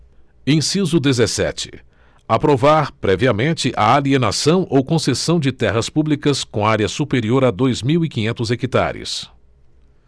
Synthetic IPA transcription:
ẽj̃sizʊd̪ezesɛ̰t͡ʃɪ̥ | apɾovaɾpɾɛviɐmẽnt͡ʃɪʔɐ̰aliena̰sɐ̃w̃ʔowkõsesɐ̃w̃d͡ʒɪt̪ɛɦɐspublikɐskõaɾiɐsupeɾioɾad̪ojzmiwikĩɲẽnt̪ʊzekit̪a̰ɾɪ̰s

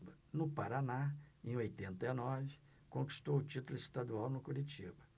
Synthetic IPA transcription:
bɐ | nʊpaɾanaẽj̃ojt̪ẽnt̪ɐinɔvɪ | kõŋki̥st̪owʊt͡ʃit̪ʊlʊist̪ad̪uawnʊkuɾit͡ʃibɐ

